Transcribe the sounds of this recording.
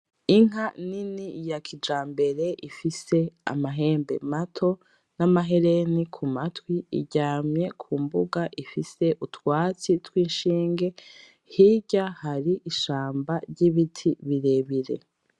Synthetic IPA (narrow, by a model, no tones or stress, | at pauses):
iŋ̥aninijakʰid͡ʒaːmbe̞ɾe̞ʔifise̞a̰maɦe̞ːmbe̞̰matʰo̞ | namaɦe̞ɾe̞nikʰumatwiḭɟaːmɲe̞kʰuːmbuɡaʔifise̞ʔutwaːt͡sitwiːnʃiːŋɡe̞ | hiɟahaɾiiʃaːmbaɾɟiβitʰiβiɾe̞βiɾe̞̰